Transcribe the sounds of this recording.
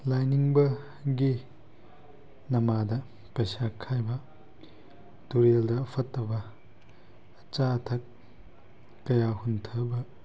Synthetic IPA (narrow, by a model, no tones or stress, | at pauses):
lajniŋbɐ | ɡi | nɐmadɐ | pɐjsakʰːajbɐ | tuɾeldɐːpʰɐtːɐbɐ | t͡ʃatʰɐk̚ | ɐjahuntʰɐbɐ